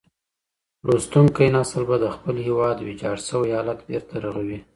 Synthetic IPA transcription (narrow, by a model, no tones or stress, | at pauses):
ɾʔost̪uŋkajnɑsəlbad̪əxpəlhewɑd̪wed͡ʒɑɽsəwjɑlat̪beɾt̪ʰaɾaɣawi